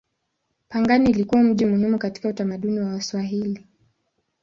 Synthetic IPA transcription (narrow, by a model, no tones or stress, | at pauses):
paŋɡaniːlikuwam̩ʄimuhimukati̥kautamaɗuniwaswaɦili